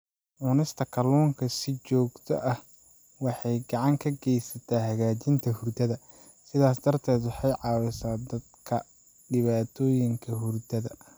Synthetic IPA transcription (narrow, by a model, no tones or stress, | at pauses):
ʔʊːnɪst̪ʰɐkʰɐlɔːŋkʰɐsɪt͡ʃɔːɡt̪ʰɔ̰ʔɐh | wɑħɑjɡɑʕɑŋkʰɐɡɛjsɐt̪ʰaːɦɐɣaːt͡ʃɪnt̪ʰɐhʊrd̪ɐðɐ | sɪðaːsd̪ɐrt̪ʰɛːd̪wɑħɑjʕɑːwɪsaːd̪ɐd̪̚kʰɐ | ɖɪβaːt̪ʰɔːjɪŋkʰɐɦʊrd̪ɐðɐ